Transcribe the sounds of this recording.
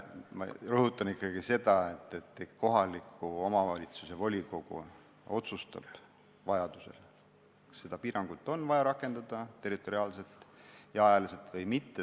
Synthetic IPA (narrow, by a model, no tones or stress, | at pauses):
mɑ̰rɤɦut̪ːˑɑnikːɑɡ̥ise̞d̪̥ɑet̪ˑːet̪ːˑeko̞ɦɑlikʰːuo̞mɑvɑlʲit̪suse̞vo̞lʲiko̞ɡ̥ṵ | o̞t̪sust̪ɑ̰b̥ | vɑjɑd̪̥use̞̰l | kse̞d̪̥ɑpiːɾɑŋɡ̥ut̪ːˑo̞nvɑjɑɾɑkːˑe̞nd̪̥ɑd̪̥ɑt̪e̞rit̪ːˑo̞ɾiɑːlset̪ːˑjɑɑjɑliset̪ːvɤjmit̪ːe